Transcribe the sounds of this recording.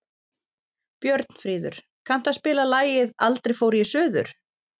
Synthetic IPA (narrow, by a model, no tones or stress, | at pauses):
pjœɾt̪n̥fɾiːðʏ̰ɾ̥ | kʰan̥t̪aðspɪːlalaːjɪðalt̪ɾejfoːwɾjɛsʏːðʏ̰ɾ̥